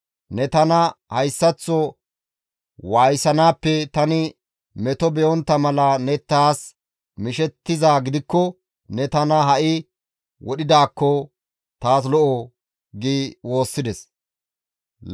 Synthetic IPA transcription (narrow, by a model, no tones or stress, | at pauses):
nɛt̪ɐnɐhɐjsːɐt͡sːɔ | waːjsɐnaːpːɛt̪ɐnɪ | mɛt̪ɔbɛʔɔnt̪ːɐmɐlɐnɛt̪ːaːs | mɪʃɛt̪ːɪzaːɡɪd̪ɪkːɔ | nɛt̪ɐnɐɦɐʔɪ | wɔɗɪd̪aːkːɔ | t̪aːslɔʔo | ɡiːwo̞ːsːɪd̪ɛs